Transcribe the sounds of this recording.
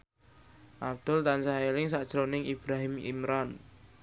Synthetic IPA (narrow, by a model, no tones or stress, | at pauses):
ʔab̚d̪̥ʊlt̪ansaelɪŋsaʔd̥ʒ̥ɾonɪŋib̥ɾaɦɪmḭmɾɔn